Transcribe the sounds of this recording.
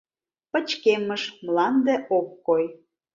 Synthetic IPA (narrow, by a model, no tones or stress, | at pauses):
pə̆t͡ɕkeməʃmlɑnd̪ĕʔokːoj